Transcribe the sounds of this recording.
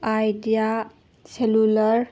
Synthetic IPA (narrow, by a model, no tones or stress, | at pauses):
ajdia | selulɐɾ